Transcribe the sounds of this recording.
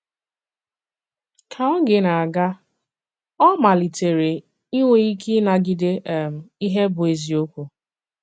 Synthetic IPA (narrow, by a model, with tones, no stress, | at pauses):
kʰa˨ɔ˦ɡɪ˨na˨a˨ɡa˦ | ɔ˦ma˨li˨te˨ɾe˨ | i˦ŋʷe˨˦i˦kʰi˦na˨ɡɪ˨de˦˨m˨i˦ɦe˦bʊ˨e˨zi˨o˦kʷu˨